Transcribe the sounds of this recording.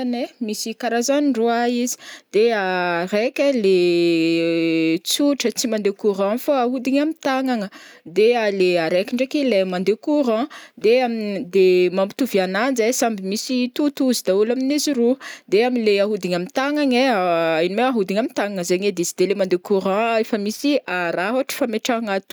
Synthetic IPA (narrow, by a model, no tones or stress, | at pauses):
nemisikaɾazaniruaizi̥d̪̥earekʲale | t͡suʈ͡ʂət͡simand̪ekuɾãfaaɦud̪iɲamit̪aŋaŋəd̪ealeaɾekʲiɳɖ͡ʐekelemand̪ekuɾãd̪eamind̪emambi̥t̪uvianand͡zasambimisit̪ut̪uzid̪aulaminizirud̪eaminleaɦud̪iɲamint̪aŋaŋeinimewaɦud̪iɲamint̪aŋaŋəzeɲed̪izid̪̥elemand̪ekuɾãefəmisiʔaɾaɦaʈ͡ʂə̥fameʈ͡ʂaŋat̪u̥